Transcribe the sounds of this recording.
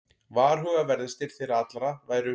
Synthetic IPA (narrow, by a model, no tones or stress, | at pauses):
vaːɾ̥ɦœːɣavɛɾðʏst̪ɪɾ̥fɪɾat̪lɾavaːjɾʏ